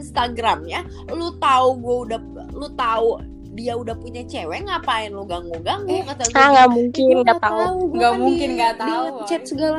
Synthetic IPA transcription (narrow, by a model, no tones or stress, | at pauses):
inst̪aɡɾamɲa | lut̪auɡuɛudah | lut̪au | diaudahpuɲat͡ʃewɛŋapajanluɡaŋuɡaŋɡukaaaŋɡaʔmuŋkɪndaauŋɡamuŋŋkɪnɡadiat͡ʃɛt̪̚səɡala